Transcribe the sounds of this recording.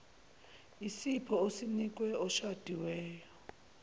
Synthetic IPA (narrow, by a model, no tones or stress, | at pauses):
isipʰɔosinik̬ʼwɛɔʃad̥ʱiwɛːjɔ